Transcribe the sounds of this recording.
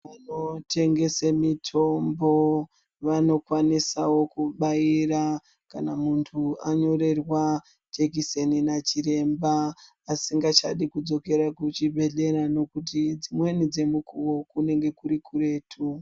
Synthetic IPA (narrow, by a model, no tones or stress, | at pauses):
ʋano̞tʰe̞ŋɡe̞semitʰo̞mbo̞ | ʋano̞kwanisawo̞kuɓaira | kanamuntʰuaɲo̞ɾe̞rwa | d͡ʒekiseninat͡ʃiɾe̞mbaː | siŋɡat͡ʃa̰ɗikud͡zo̞ke̞ɾakut͡ʃibʱe̞ɮe̞ɾano̞kut̬id͡zimwe̞nid͡ze̞mukuwo̞kune̞ŋɡe̞kuɾikure̞ːtʰu